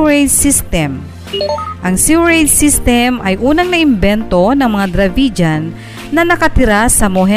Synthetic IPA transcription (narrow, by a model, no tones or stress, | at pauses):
ɹejd̪sist̪ɛm | ʔɐŋsuwɹejd̪̚sist̪ɛmʔɐjʔuːnɐŋnɐʔɪmbɛnt̪o̞nɐŋmɐŋad̪ɾɐvid͡ʒanː | ɐnɐkɐt̪ɪɾasɐmoɦɛ